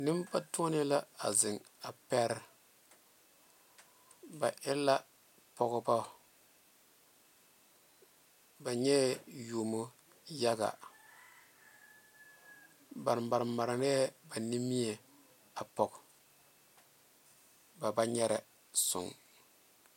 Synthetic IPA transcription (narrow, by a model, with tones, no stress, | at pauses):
nɪ˦mpa˦tu˦ɔ˦nɪ˦la˦a˨zɪ˨ŋ | a˨pɛ˦ɾ | ba˨ʔɛ˦lːa˦ | pɔ˨ɣba˦˨ | ba˨ɲɛ˦ju˨mo˦ | ja˦ɡa̰˨ | ba˨ɾmba˨ɾma˨ɾɪ˨ɾɛ˦ɛ˦ba˨ni˦mi˦ɛ˨ | a˨pɔ˨k | ba˨ba˦ɲɛ˦ɾɛ˨ | sʊ̰˨ŋ